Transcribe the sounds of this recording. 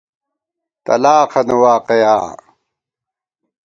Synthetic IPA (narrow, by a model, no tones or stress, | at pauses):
t̪ɐ̰laːqʰɐnewaːqeja̰ː